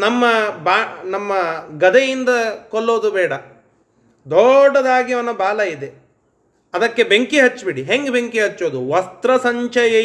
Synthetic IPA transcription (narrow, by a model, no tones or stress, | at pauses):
nɐmːɐbaːnɐmːɐɡɐd̪ejind̪ɐkɔlːoːd̪ubɛːɽɐ | d̪ɔɖːɐd̪aːɡiʋɐnːɐbaːlɐid̪e | ɐd̪ɐkːe̞beŋkiɦɐt͡ʃːbiɽiɦeŋɡebeŋkiɦɐt͡ʃːoːd̪uʋɐst̪ɾɐsɐɲt͡ʃɐjɐ